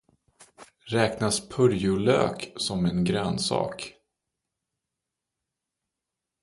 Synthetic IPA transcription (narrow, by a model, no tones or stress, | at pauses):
ɾɛːknaspʰɵɾjʊlø̰ːksɔmɛnɡɾœːnsɑ̰ːk